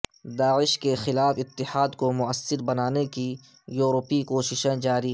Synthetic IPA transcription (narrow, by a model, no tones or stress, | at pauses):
d̪aːɪʃkexɪlaːfɪt̪ːɪhaːd̪komʊəsːɪɾbɐnaːneki | juːɾopikoːʃɪʃẽd͡ʒaːɾi